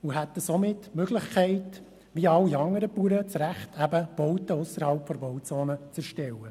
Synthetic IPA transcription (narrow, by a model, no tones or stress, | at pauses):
uɦæt̪ːəsomɪtːmøɡlɪχkʰɛɪt | ʋiɑlːiɑŋːəɾəpuːɾət͡sɾæχtʰæbəb̥ɔwtəʊsəɾhɑlpfɔɾbɔwt͡soːnət͡sɛɾʃtɛwə